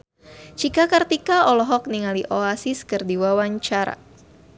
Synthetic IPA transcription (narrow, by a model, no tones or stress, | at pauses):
t͡ʃikakərt̪ikaɔlɔɦɔk̚niŋaliʔoasiskɨrdiwawaɲt͡ʃaɾa̰